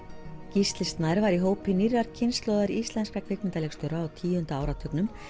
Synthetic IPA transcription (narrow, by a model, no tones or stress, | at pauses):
cist̪lɪst̪naɾvaɾiɦoːwpɪnirːaɾcʰɪnst̪lowðaɾiist̪lɛnskakʰvɪkmɪnt̪alɛkst̪ʏɾaawt̪ʰiːjʏhʏnt̪aaːwɾat̪ʰœknʏm